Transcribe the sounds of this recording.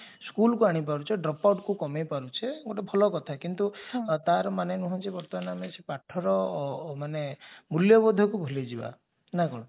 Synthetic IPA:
skulkuaɽ̃ipaɾut͡ʃʰeɖɾɔpawʈkukɔmepaɾut͡ʃʰeɡoʈebʱɔlɔkɔt̪ʰakint̪ut̪aɾmanenuɦɔ̃nt͡ʃʰibɔɾt̪ɔnamesepaʈʰːɔɾɔmanemuljɔbɔd̪ʱɔkubʱuled͡ʒiba̰ | nakɔɽ̃ɔ̃

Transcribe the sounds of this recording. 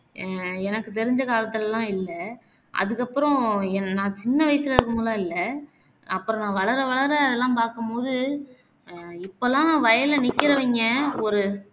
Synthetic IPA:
ɛnɐkːɯt̪ɛɾɪɲd͡ʒɐkaːlɐt̪ːɯlɛlːãːɪlːɐ | ʔɐ̰ðɯkːɐpːɯɾɔ̃ɛnnaːt͡ʃɪnːɐʋɐjsɪlɐɾɯkːɯmulɐ̃ːɪlːɐ | ɐpːɯɾɔ̃nãːʋɐɭɐɾɐʋɐɭɐɾɐɐðɛlːãːpaːɾkɯmpoːðɯ | ɪpːolãːʋɐjɐlɐnɪkːɪɾɐʋɛŋɡɐɔɾɯ

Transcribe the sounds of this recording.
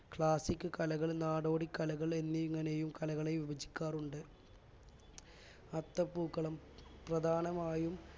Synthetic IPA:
kɭaːsikʲːɨkɐlɐɣɐɭnaːɽo̞ːɽikːɐlɐɣɐɭe̞nːiiŋːɐnejumkɐlɐɣɐɭeʋibɐt͡ɕːi̥kʲːaːruɳɖɨ | ɐt̪ːɐpːuːkːɐɭɐm | prɐd̪ʱaːnɐmaːjum

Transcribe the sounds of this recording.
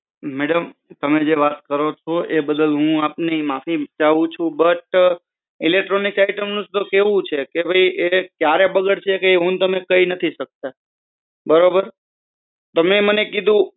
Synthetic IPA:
mɛɽəmt̪əmed͡ʒeʋat̪kəɾot͡ʃʰoʔebəd̪əlɦũapnemafid͡ʒaʋũt͡ʃʰũbəʈ | ilek̚ʈɾonikaɪjʈəmnũst̪okeʋũt͡ʃʰekebʱəiʔekjaɾebəɡəɽt͡ʃʰekeiɦũnt̪əmekəinət̪ʰiʃək̚t̪a | bəɾobəɾ | t̪əmemənekid̪ʱũ

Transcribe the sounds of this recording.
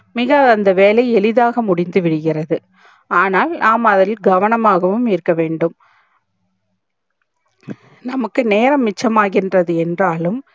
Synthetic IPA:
mɪɣɐːnd̪ɐʋeːlɐɪɛlɪðaːɣɐmʊɽɪnd̪ɯʋɪɽɯɣɪrɐðɯ | aːnaːlnaːmɐðɐllɡɐʋɐnɐmaːɣɐʋɯmɪɾɯkːɐʋeːɳɖɯm | nɐmɐkːɯneːɾɐmːɪt͡ʃːɐmaːɣɪndrɐðɯɛndraːlɯm

